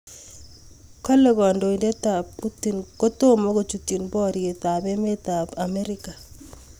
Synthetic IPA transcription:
kɔ˦le˦ɡɔ˨ndo˨ide˦t̪a˨pːu˦ti˨nko˦to˦mo˦ɡo˨t͡ʃu˨ti˨nbɔ˦ɾje˨t̪a˨bɛ˦me˦t̪a˨pa˨me˦ɾɪ˦ka˨

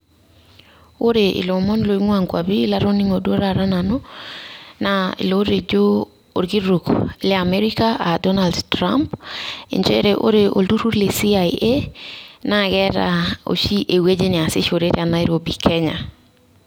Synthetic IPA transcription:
o˦ɾe˨ʔḭ˨lo˨mɔ˦nlo˨i˦ŋwa˨ŋkwa̰˨biː˦la˦ɾo˦ni˦ŋo˨du˦o˦ɾa˨ɾa˦na˨no˦ | naḭ˨lo˦ɾe˨d͡ʒo˦ | o˨ɾɡi˦ɾu˨kle˦a˨me˦ɾi˦ka˦a˨dɔ˦na˨ldtɾa̰˦mpḛ˨ɲd͡ʒe˦ɾe˨ʔo̰˦ɾe˨ʔo̰˨ldu˦ɾu˦ɾle˨si˦a˨je˦na˦ɡɛ˦ɾa̰˨o̰˨ʃi˦ʔe˨we˦d͡ʒe˦nɪ˨a˨sɪ˦ʃo˨ɾe˦ɾja˨na˦iɾo˨bi˨kʰɛ˦ɲa˨

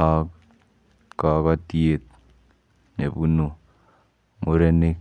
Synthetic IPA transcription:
a˦k | ka˨ka˦ti˦e˨t̚ | ne˨bu˦no˨ | mo˨ɾe˦ne˦k

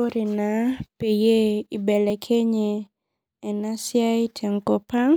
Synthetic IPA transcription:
o˦ɾi˨na˨pe˨je˦i˨bɛ˨lɛ˨kʰe˦ɲeː˨ | na˦sja˦i˦tʰɛ˨ŋko˦pa˦ŋ

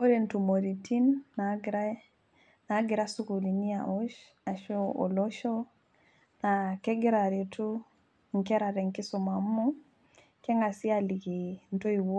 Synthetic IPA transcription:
o˦ɾe˨ntu˨mo˨ɾiti˦nːa˦ɡiɾa | na˦ɡi˨ɾa˦su˦ku˨li˨ni˦a˨u˦ʃ | a˨ʃɔ˦ɔ̰˨lɔ˦ʃo˦ | nakɛ˦ɡi˦ɾaɾe˨tu˦ | ŋ̩˨kɛ˦ɾaɾɛ˨ŋki˦sɔ˨ma˨mːu˦ | kɛ˦ŋɡa˨si˦ali˨ɡi˨n˨to˦i˨wo˦

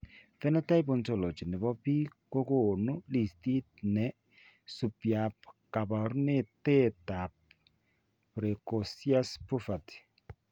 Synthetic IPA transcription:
fɛ˦nɔ˦ta˦jbo˨nto˨lo˨t͡ʃi˨ne˨βɔ˦pi˦ko˦ko˨nu˦li˨sti˦t̚nɛ˨ | su˨pja˨p̚ka˨βa˨ɾu˦ne˦tɛ˦ta˨p̚ | pɾɛ˨kɔ˨sja˦spo˦fa˨t

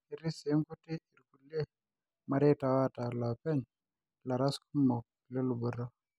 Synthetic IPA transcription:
i˨ɾi˦se˨˦ŋku˦ti˦i˨ɾku˨lːe˦ | ma˨ɾe˦ta˨wa˦ta˨lɔ˨pɛ˦ɲ | la˨ɾa˦sku˦mo˨k̚ | le˦lu˨bu˨ɾɔ˦

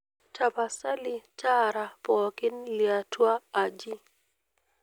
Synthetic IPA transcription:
t͡ʃa˨pa˨sa˦li˨t͡ʃa˦ɾa˨pɔ˨kɪ˦nlia˨twa˦a˨d͡ʒi˦

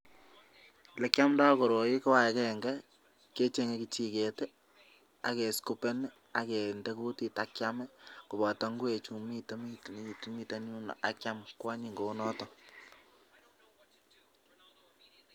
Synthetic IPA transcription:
lɛ˨kja˦mnda˦ko˨ɾo˨ji˦kɔ˦wa˦˨kɛ˨ŋɡɛ˦ | ke˦t͡ʃe˦ŋekit͡ʃi˦ke˨te˦ | a̰˨ke˨sku˦pe˦n | a˨ke˨nde˦kuu˦ti˨ta˨kja˦mɛ˦ku˨bɔ˨ta˨˦ŋɡu˦e˨t͡ʃu˨mi˦te˦mi˦tn˦˨ti˦mi˦ta˨nu˦na̰˨ʔa˦kja˦mkwa˦ɲi˨ŋɡo˨˦nɔ˦tɔ˦

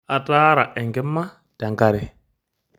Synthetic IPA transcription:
a˨taː˦ɾa˨ʔɛ˨ŋɡɪ˦mːa˦ | d̥a˨ŋka˦ɾɛ˦

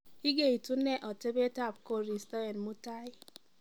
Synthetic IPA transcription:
i˦ɡe˦˨i˨tu˦ne˦ʔɔ˨te˦be˦ta˦˨p̚ko˦ɾi˨stɔ˦e˨nmu˦ta˦i˦

